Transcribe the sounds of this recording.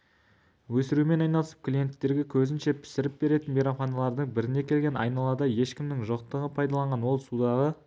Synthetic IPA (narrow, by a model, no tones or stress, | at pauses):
wɵsɪɾume̞nɑjnɑlˠəsə̥p̚kʲlʲije̞nt̪ːe̞ɾɡʲe̞kʲʰɵzɪnʃe̞pʰɪ̥sɪɾɪp̚be̞ɾe̞t̪ɪnbijɾaχɑnɑlˠɑɾd̪əɴbɪɾɪne̞kʲʰe̞lɡʲe̞nɑ̰jnɑlˠɑd̪ɑje̞ʃkʲɪmnɪŋʒoq̚t̪əʁəpʰɑjd̪ɑlˠɑɴʁɑnwo̞lˠsud̪ɑʁə